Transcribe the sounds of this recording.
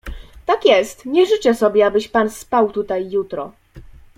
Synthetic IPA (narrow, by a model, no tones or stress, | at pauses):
t̪akʲjɛst̪ɲɛʐɘt͡ɕɛsɔbʲjɛabɘɕpanspawt̪ut̪ajːut̪ɾɔ̰